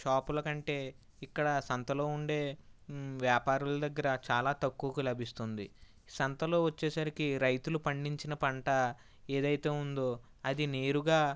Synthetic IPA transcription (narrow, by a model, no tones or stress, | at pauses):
ʃaːpulɐkɐɳʈe̞ː | ikːɐɽɐsɐnt̪ɐlo̞ːuɳɖe̞ː | ʋjaːpaːɾulɐd̪ɐɡːɐɾɐt͡ʃaːlaːt̪ɐkːuʋɐkɐlɐbʱist̪und̪ḭ | sɐnt̪ɐlo̞ːʋɐt͡ʃːeːsɐɾikiɾɐjt̪ulupɐɳɖiɲt͡ʃinɐpɐɳʈɐ | e̞ːd̪ɐjt̪e̞ːund̪oː | ɐd̪ine̞ːɾuɡaː